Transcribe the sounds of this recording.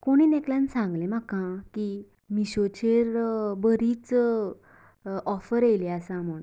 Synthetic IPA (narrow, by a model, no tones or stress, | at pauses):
koɽ̃iːnekljansãŋɡlemakãki | miɕot͡ɕeɾbəɾit͡s | ɔfəɾeleasãmuɳ